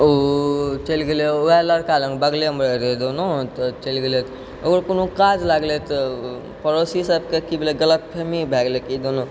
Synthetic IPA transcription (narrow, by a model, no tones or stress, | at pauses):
ot͡ʃəlɡeleoɛləɾkalə̃ŋkbəɡleɦəmbɾeɾed̪onot̪t͡ʃəlɡelet̪ | okəɾkonokad͡ʒlaɡlet̪ | pəɾosisəbkekibeleɡələt̪̚pʰemibʱɛɡlekid̪ono